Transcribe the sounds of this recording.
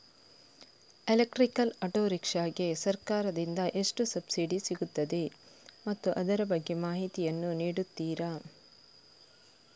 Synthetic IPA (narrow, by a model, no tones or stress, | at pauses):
elek̚ʈɾikɐlɐʈoːɾikʂaːɡe̞sɐɾkaːɾɐd̪ind̪ɐʔe̞ʂʈusɐbsiɖisiɡut̪ːɐd̪e̞ | mɐt̪ːuʔɐd̪ɐɾɐbɐɡːe̞maːɦit̪ijɐnːuniːɽut̪ːiːɾɐ